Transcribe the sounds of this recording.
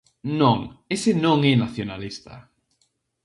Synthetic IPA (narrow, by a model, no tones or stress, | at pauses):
nõŋesenõŋɛnaθjonalist̪ɐ̰